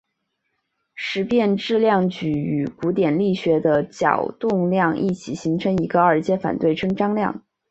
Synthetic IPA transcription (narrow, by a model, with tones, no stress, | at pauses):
ʂɻ̩˧˥pjɛ˥˧nʈ͡ʂɻ̩˥˧ljɑ˥˩ŋt͡ɕy˧˥˩y˨˩ku˧˥t̪jɛ˨˩nli˥˩ɕɥɛ˧˥d̪ə˧t͡ɕjɑ̰˨˩ʊt̪ʊ˥˧ŋljɑ˥˧ŋʔḭ˥˩t͡ɕʰi˨˩ɕi˧˥ŋʈ͡ʂʰɤ˧˥ŋi˧˥ɡə˧ə˞˥˧t͡ɕjɛ˥˩fa̰˨˩nt̪we˥˩ɪʈ͡ʂʰɤ˥ŋʈ͡ʂɑ˥ŋljɑ̰˥˩ŋ